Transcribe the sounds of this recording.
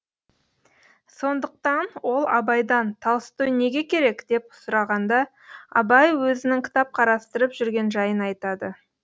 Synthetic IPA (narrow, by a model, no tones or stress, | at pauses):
so̞nd̪əq̚t̪ɑnwo̞lˠɑ̰bɑjd̪ɑnt̪ʰɑw̪ˠəst̪əwne̞ɡʲe̞kʲʰe̞ɾe̞kd̪̥e̞pʊ̥sʊɾɑʁɑnd̪ɑ | ɑ̰bɑjwɵzɪnɪŋkʲʰɪ̥t̪ɑp̚qʰɑɾɑst̪əɾəpʒʏɾɡʲe̞nʒɑjənɑjt̪ɑd̪ə